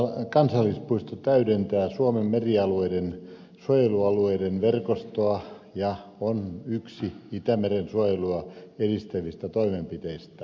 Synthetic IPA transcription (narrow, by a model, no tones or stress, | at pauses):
kɑnsɑlːispuist̪ot̪æydent̪æːsuomemmeriɑlueiden | suojeluɑlueidenʋerkost̪oɑ | jɑonyksiit̪æmerensuojeluɑedist̪æʋist̪æt̪oimempit̪eist̪æ